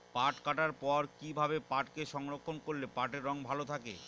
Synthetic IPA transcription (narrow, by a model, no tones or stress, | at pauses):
paʈkaʈaɾpɔɾkibʱabepaʈkeʃɔŋɾokʰːonkːoɾlepaʈeɾːɔŋbʱalot̪ʰakḛ